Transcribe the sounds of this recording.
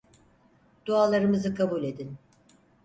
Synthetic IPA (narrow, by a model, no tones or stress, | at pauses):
d̪̥ualˠːaɾɯmɯzɯkʰabulʲe̞d̪in